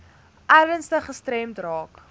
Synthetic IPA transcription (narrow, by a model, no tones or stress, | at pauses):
ʔærvənstəχəstɾɛmtrɑːk